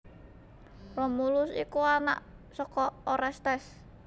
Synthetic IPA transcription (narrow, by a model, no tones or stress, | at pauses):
rɔmulʊsḭkuana̰ʔ | sɔkɔɔɾɛst̪ɛs